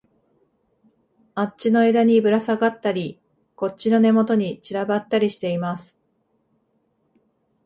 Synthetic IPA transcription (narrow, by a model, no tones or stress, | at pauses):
att͡ɕino̞e̞d̪aɲ̟ibɯ̟ɾasaɡat̪ːaɾʲi | ko̞tt͡ɕːino̞ne̞mo̞t̪o̞ɲ̟it͡ɕiɾabat̪ːaɾʲiɕi̥t̪e̞imasɨ̥